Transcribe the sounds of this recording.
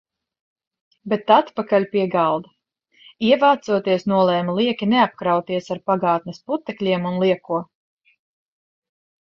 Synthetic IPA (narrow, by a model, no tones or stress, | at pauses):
bet̪at̪pakalʲpiɛɡalˠd̪a | iɛvaːt̪suɔt̪iɛsnuɔlˠɛːmlˠiɛkʲinɛap̚kɾawt̪iɛsaɾpaɡaːt̪̚nʲesput̪ɛklʲiɛmunlˠiɛkuɔ